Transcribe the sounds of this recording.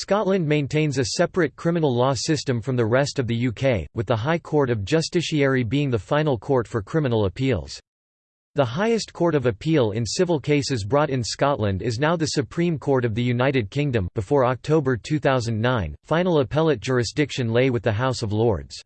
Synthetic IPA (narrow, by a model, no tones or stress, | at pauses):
skɑtˡlɨ̃nmẽɪ̃ntʰẽɪ̃nzɨsɛpɹɨt̚kʰɹ̥ɪ̃mɨ̃nl̩ˠlɔsɪstɨ̃ɱfɹʌ̃mðɨɹɛstʌvðɨjʉkʰeɪwɨðəɦaɪkʰɔɹɾʌvd͡ʒʌstɪʃiɛɹibiɪ̃ŋðəfãɪ̃nl̩ˠkʰɔɹtfə˞kʰɹ̥ɪ̃mənl̩ˠəpʰilˠz̥ | ðəɦaɪɨskʰɔɹɾʌvɨpʰilˠɪ̰̃nsɪvl̩ˠkʰeɪsɨzbɹɔɾɨ̃nskɑʔˡlə̃ndɪznaʊðɨsɨpʰɹ̥ĩmkʰɔɹɾʌvðɨjʉnaɪɾɨd̚kʰɪ̃ŋdɨ̃mbɨfɔɹɑk̚tʰoʊbə˞tʰʉθaʊzɨ̃n̩nãɪ̃nfãɪ̃nl̩ˠəpʰɛlˠɨt̚d̥ʒ̥ʊɹɨsd̥ɪkʃɨ̃nleɪwɨðɨɦaʊsʌvlɔ̰ɹdz̥